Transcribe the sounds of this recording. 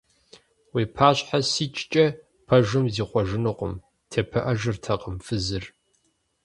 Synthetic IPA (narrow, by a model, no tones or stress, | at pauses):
weːpʰaːɕʼħasiːt͡ʃʼt͡ʃʼɐ | pʰɐʒɨmziːχʷɔʒɪnɨqʷə̰m | tʰɐpʰɐʔɐʒɨrtʰɐqəmfɨzɨr